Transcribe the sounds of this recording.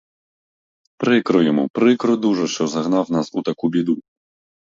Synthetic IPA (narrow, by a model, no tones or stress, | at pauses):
pɾɪkɾʊjɛmɔ̰pɾɪkɾʊd̪uʒɛʃt͡ʃɔzɐɣnawnasut̪akubʲid̪u